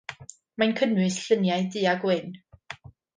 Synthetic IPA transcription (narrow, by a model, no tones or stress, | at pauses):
mankʰənwɨsɬənjajdɨːaɡwɪn